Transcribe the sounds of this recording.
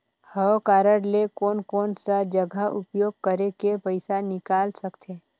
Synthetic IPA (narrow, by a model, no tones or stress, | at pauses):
həwkaːɾəɽlekɔːnkɔːnsad͡ʒəɡʱaʔʊpjoːɡ̚kəɾekepəɪsanɪkaːlsəkt̪ʰeː